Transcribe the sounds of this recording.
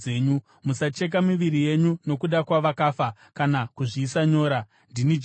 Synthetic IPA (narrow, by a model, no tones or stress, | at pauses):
eːɲu | musat͡ʃe̞k̬amiʋiɾije̞ɲuno̞kuɗakwaʋakaːfa | kanakuʐiːsaɲo̞ːɾa | ndinid͡ʒ